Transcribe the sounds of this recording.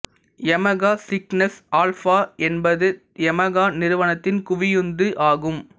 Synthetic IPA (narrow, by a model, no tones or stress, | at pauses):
jɛmɐɣaːsɪknɐsaːlfaːʔɛnbɐðɯ | jɛmɐɣaːnɪɾɯʋɐnɐt̪ːɪnkʊʋɪjɯnd̪ɯʔaːɣɯm